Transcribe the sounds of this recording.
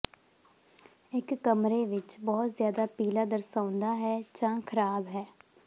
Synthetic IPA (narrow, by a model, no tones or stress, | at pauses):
ɪkːəmɾeːʋɪt͡ʃbɔːt̪zjaːd̪aːpiːlaːd̪əɾsãːʊnd̪aːɦɛːd͡ʒãːkʰəɾaːbɦɛː